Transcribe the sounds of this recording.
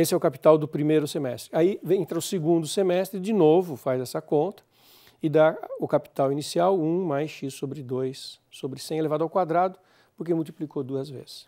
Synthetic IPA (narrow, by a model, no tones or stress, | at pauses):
esɪɛʊkapi̥t̪awd̪ʊpɾimejɾʊsemɛst̪ɾɪaiẽnt̪ɾɐʊseɡũnd̪ʊsemɛst̪ɾɪd͡ʒinovʊfajzɛsɐkõnt̪ɐ̥ | ɪd̪aʊkapi̥t̪awinisiawũmajsʃissobɾɪd̪ojsː | obɾɪsẽj̃ɛlevad̪awkwad̪ɾad̪ʊ | pʊɾk̬emuwt̪i̥plikod̪uɐzvḛzɪ̥s